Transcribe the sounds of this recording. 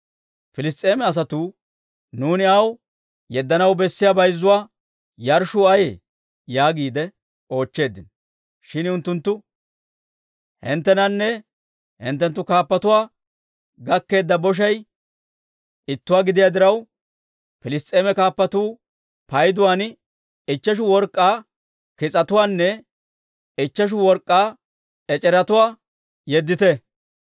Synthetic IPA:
pɪlɪs̬t̪ʼeːmɛɐs̬ɐt̪uː | nuːnɪɐw | jɛd̪ːɐnɐwbɛsːɪjabɐjzːʊwaː | jɐɾʃʊɐjḛ | jaːɡiːd̪ɛ | o̞ːt͡ʃːe̞ːd̪ːɪnɔ | ʃɪnʊnt̪ːʊnt̪ːʊ | hɪ̰nt̪ːɛnɐnːɛ | hɪ̰nt̪̬ːɛnt̪̬ːʊkaːpːɐt̪ʊwaː | ɡɐkːe̞ːd̪ːɐbɔʃ̬ɐj | ʔɪt̪ːʊwaːɡɪd̪ɪjad̪ɪɾɐw | pɪlɪst̪ʼeːmɛkaːpːɐt̪uː | pɐjd̪ʊwaːn | ɪt͡ʃːɐʃ̬ʊwɔɾkʼːaː | kɪt͡sʼɐt̪ʊwaːnːɛ | ɪt͡ʃːɐʃ̬ʊwɔɾkʼːaː | ɛt͡ʃʼɛɾɐt̪ʊwaː | jɛd̪ːɪt̪ɛ

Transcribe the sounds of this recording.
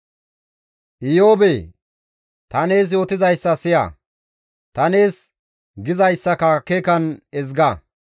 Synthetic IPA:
ʔɪjo̞ːbe | t̪ɐne̞ːs̬jo̞ːt̪ɪzɐjsːɐsɪjɐ̰ | t̪ɐne̞ːs | ɡɪzɐjsːɐkɐkeːkɐnɛzɡɐ

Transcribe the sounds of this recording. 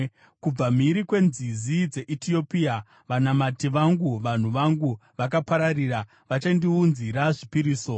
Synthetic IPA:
kub͡vamiɾikwe̞nzizid͡ze̞ʔitio̞pia | ʋanamatiʋaŋɡuʋan̤uʋaŋɡuʋakapaɾariɾa | ʋat͡ʃandiunziɾaʐipiɾiːso̞

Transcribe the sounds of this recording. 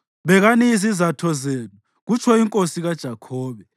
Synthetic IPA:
βɛɣaniizizatʰɔzeːnu | ɣut͡ʃʰɔiŋkʼosiɣad̥ʒ̥ʱakʰɔːβɛ

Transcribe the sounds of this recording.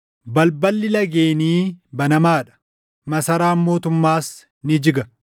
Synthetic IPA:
bɐlbɐlːɪlɐɡe̞ːniːbɐnɐmaːᶑɐ̥ | mɐsɐɾaːmːo̞ːt̪ʊmːaːs | nɪd͡ʒɪɡɐ

